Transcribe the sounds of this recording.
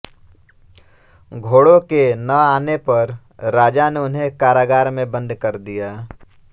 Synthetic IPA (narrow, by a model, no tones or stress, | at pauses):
ɡʱoːɽõkenəaːnepəɾ | ɾaːd͡ʒaneʊnɦẽkaːɾaːɡaːɾmẽbə̃nd̪ʱkəɾd̪ijaː